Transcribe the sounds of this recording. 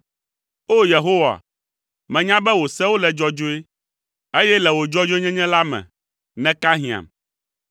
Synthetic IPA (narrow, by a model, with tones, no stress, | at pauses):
o˦je˨ɦo˦wa̰˨ | mɛ̃˨ɲã˦bɛ˦wo˨sɛ˦wo˦lɛ˨d͡ʒɔ˦d͡ʒo˦e˦ | e˦jɛ˦lɛ˨wo˨d͡ʒɔ˦d͡ʒo˦ɲɛ̃˦ɲɛ̃˦la˦mɛ̰̃˨ | nɛ̃˦ka˦ɦĩ˨a̰˨m